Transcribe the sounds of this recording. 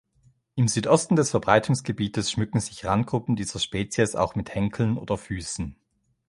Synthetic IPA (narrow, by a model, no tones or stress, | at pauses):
ʔɪmzyːtʔɔstn̩dɛsfɛɐbʁaɪtʰʊŋsɡ̥əbiːtəsʃmʏkŋ̩zɪçʁant̚ɡ̥ʁʊpn̩diːzɐʃpɛːt͡sjəsa̰ʊxmɪthɛŋkʰl̩no̰ːdɐfyːsn̩